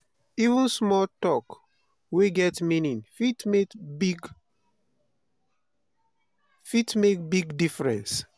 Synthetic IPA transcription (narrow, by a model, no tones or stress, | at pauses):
ivũnsmɔltɔk | weɡɛtminĩnfitmekbɡ | fitmek̚biɡdifɹɛ̰̃ns